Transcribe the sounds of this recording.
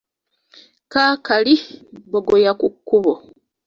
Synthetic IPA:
kaːkaliboɡojakukːuβo

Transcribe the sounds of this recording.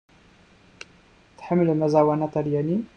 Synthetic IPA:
t̪ħəmːlmɐzawanat̪aljani

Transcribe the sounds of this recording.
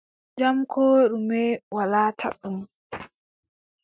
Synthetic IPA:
d͡ʒamkʰɔːɗumɛwalaːtʰa̰ɗum

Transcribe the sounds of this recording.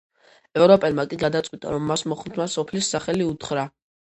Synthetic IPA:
ɛvɾɔpʼɛlmakʼiɡad̪at̪sʼwit̪ʼa̰ɾɔmːasmɔχmt̪ʰmasɔpʰlisːaχɛliut̪ʰχɾa

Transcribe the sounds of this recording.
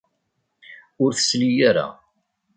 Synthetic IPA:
ʊɾθə̥slijaɾa̰

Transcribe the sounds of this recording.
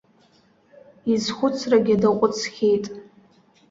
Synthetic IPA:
izχʷʊt͡sʰraɡʲadaqʷʼʊt͡sʰχʲejtʼ

